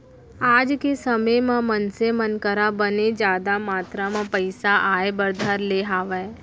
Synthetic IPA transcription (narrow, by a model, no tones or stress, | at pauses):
aːd͡ʒkesəməjmãmənsemənkəɾabəned͡ʒaːd̪amaːt̪ɾamãpəɪsaʔaːebəɾd̪ʱaɾleɦaːʋə